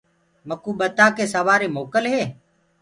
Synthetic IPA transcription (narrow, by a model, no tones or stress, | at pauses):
məkuːɓət̪aːkeːsəʋaːɾeːmoːkəlɦeː